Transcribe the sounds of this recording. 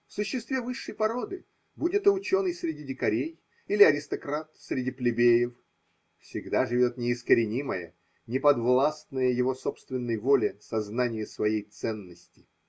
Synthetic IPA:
fsʊɕːɪst̪vʲevɨʂːəjpɐɾo̞d̪ɨ | budʲɪt̪əʊt͡ɕo̞nəjsɾʲɪdʲidʲɪkɐɾʲej | ilʲɪɐɾʲɪst̪ɐkɾat̪sɾʲɪdʲiplʲɪbʲejɪf | fsʲɪɡd̪aʐɨvʲo̞t̪nʲɪːskəɾʲɪnʲiməjə̰ | nʲɪpɐd̪vlˠast̪nəjəjɪvo̞sopst̪vʲɪnːəjvolʲɪsɐznanʲɪjəsvɐjejt̪sɛnːəsʲtʲɪ

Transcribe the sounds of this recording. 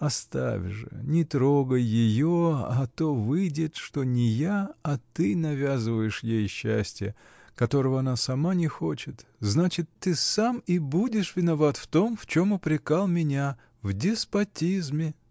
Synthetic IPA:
ɐst̪a̰vʲʐɨ̰nʲɪt̪ɾo̞ɡəjːɪjoɐt̪o̞vɨjdʲɪt̪ʂt̪o̞nʲɪjaɐt̪ɨnɐvʲazɨvəjɪʂjejɕːæ̰sʲtʲɪjə | kɐt̪o̞ɾəvəɐnasɐmanʲɪxo̞t͡ɕɪt̪znat͡ɕɪt̪ːɨsamɪbudʲɪʂvʲɪnɐvat̪ft̪o̞mft͡ɕo̞mʊpɾʲɪkalˠmʲɪnʲa | vdʲɪspɐtʲizmʲɪ

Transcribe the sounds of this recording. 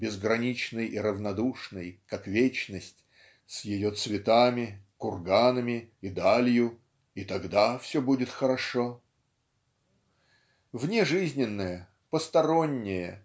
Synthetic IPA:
bʲɪzɡɾɐnʲit͡ɕnɨjiɾəvnɐd̪uʂnɨjkakvʲet͡ɕnəsʲtʲ | sʲjɪjo̞t̪svʲɪt̪amʲɪkʊrɡanəmʲɪid̪alʲjʊ | it̪ɐɡd̪afsʲobudʲɪt̪xəɾɐʂo | vnʲeʐɨzʲnʲɪnːəjə | pəst̪ɐɾo̞nʲːɪjə

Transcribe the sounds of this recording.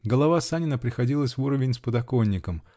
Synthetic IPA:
ɡəlˠɐvasanʲɪnəpɾʲɪxɐdʲilˠəsʲvuɾəvʲɪnʲspəd̪ɐko̞nʲːɪkəm

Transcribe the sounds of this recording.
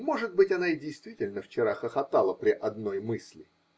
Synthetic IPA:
mo̞ʐɨt̪̚bɨtʲɐnaɪdʲɪjst̪vʲitʲɪlʲnəft͡ɕɪɾaxəxɐt̪alˠəpɾʲɪʔɐd̪no̞jmɨsʲlʲɪ

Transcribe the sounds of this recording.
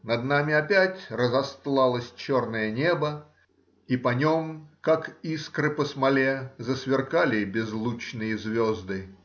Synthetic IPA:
nɐd̪namʲɪɐpʲætʲrəzɐst̪lˠɑlˠəsʲt͡ɕornəjənʲebə | ipɐnʲomkakiskɾɨpəsmɐlʲezəsvʲɪrkalʲɪbʲɪzlˠut͡ɕnɨjəzvʲozd̪ɨ

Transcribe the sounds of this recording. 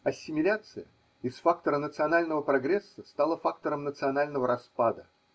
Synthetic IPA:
ɐsʲːɪmʲɪlʲat̪sɨjə | ɪsfak̚t̪əɾənət̪sɨɐnalʲnəvəpɾɐɡɾʲesːəst̪alˠəfak̚t̪əɾəmnət̪sɨɐnalʲnəvəɾɐspad̪ə

